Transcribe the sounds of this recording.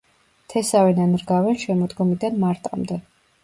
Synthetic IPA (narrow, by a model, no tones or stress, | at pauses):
t̪ʰɛsavɛnanɾɡavɛnʃɛmɔd̪ɡɔmid̪anmaɾt̪ʼamd̪ɛ